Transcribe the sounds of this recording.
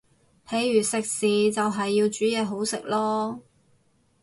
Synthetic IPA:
pʰe˨˥jːyː˨˩sɪ˨k̚siː˨t͡sɐ˨wɦɐ˨jːiː˧wt͡ʃyː˨˥jɛː˨˧ɦo˨˥wsɪ˨k̚lɔː˥

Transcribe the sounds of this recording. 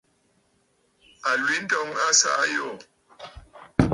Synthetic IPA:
a˨lwi˨˦n̩˦dɔ˦ŋa˦sa˦jo˦˨

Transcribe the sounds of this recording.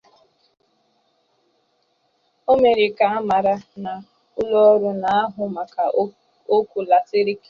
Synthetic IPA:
o˦me˨ɾɪ˨ka˨a˦ma˨ɾa˦na˨ | ʊ˦lɔ˦ɾʊ˦na˨a˦ɦʊ˨ma˨ka˨ | o˦ku˨la˨sɪ˦ɾi˦ke˦

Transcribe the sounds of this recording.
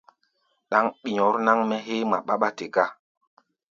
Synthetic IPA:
ɗa˦ŋɓi˨ɲɔ˨˦ɾna˦ŋmɛ˦ɦe˦ma̰˨ɓa˦ɓa˦te˨ɡa˦

